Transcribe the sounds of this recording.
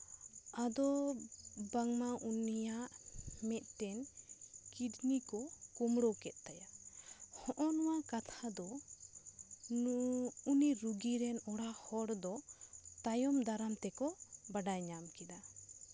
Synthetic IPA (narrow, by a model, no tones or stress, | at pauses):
ad̪ɔ | baŋmaʔunijaʔmɛt̪̚ʈɛnkidnikɔkumɽɔkɛt̪̚ˀt̪ajahɔʔɔnɔwakat̪ʰad̪ɔ | uniɾuɡiɾɛnɔɽahɔɽd̪ɔt̪ajɔmd̪aɾamt̪ɛkɔbaɖajɲamkɛd̪a